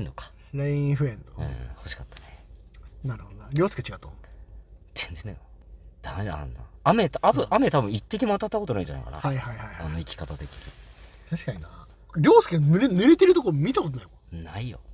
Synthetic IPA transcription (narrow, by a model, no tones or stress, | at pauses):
enːokḁ | ɾaĩɸɯ̟ẽnd̪oɯ̟̰̃ːho̞ɕi̥kat̪ːḁnenaɾɯ̟hod̪onaɾʲo̞ːsɨ̥ket͡ɕiɡat̪ːo | d͡z̥ẽnze̞nːa̰jod̪̥aa̰nːa̰ame̞t̪abɯʔame̞t̪abɯ̟̃it̪ːe̞k̬ʲimoat̪at̪ːako̞t̪o̞naĩɲd͡ʑa̰na̰jka̰na̰haihaihaiano̞ikʲi̥kat̪at̪e̞kʲiɲḭ | t̪ʰaɕi̥kaɲina | ɾʲo̞ːsɨ̥kenɯɾenɯ̟ɾet̪eɾɯ̟t̪okoɾomʲit̪akot̪onajokanaijo̰